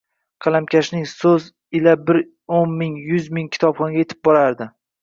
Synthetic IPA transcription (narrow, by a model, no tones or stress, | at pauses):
qʰɑlˠamkʲʰaʃnɪŋsɵz | ɪlabɪɾ | onmɪŋjʊzmɪŋkʲʰɪ̥t̪ʰɒbχɒŋɡʲajet̪ʰɪ̥p̚bɒɾaɾd̪ɪ